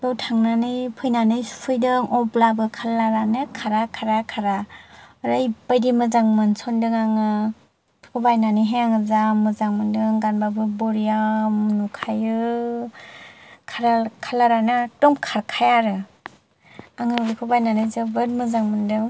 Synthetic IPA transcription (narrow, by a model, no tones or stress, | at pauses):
dɔtʰaŋnanɯjpʰɯjnanɯjpʰɯjdɯŋʔɔblabɯkʰalːaɾanɯkʰaɾakʰaɾakʰaɾa | ɾɯjbajdimɯzaŋmɯnsɔndɯŋaŋɯ̥ | kʰɔbajnanɯjɦeaŋɯzamɯzaŋmɯndɯŋɡanbabɯbɔɾijamnukʰajɯ | kʰaɾakʰalaɾanɯtɔmkʰaɾkʰajaɾɯ | aŋɯbikʰɯbajnanɯzɯbɯɾmɯzaŋmɯndɯŋ